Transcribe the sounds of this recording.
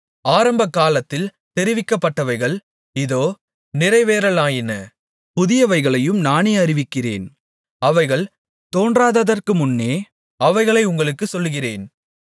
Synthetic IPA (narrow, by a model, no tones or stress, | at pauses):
aːɾɐmbɐkːaːlɐt̪ːɪl | t̪ɛɾɪʋɪkːɐpːɐʈːɐʋɐɪɣɐɭ | ɪðoː | nɪrɐɪʋeːɾɐɭaːjɪnɐ | pʊðɪjɐʋɐɪɣɐɭɐjɯmnaːneːɐrɪʋɪkːɪrḛːn | ɐʋɐɪɣɐɭ | t̪oːndraːðɐðɐrkɯmʊnːeː | ɐʋɐɪɣɐɭɐɪʊŋɡɐɭɯkːɯsɔlːɣɪrḛːn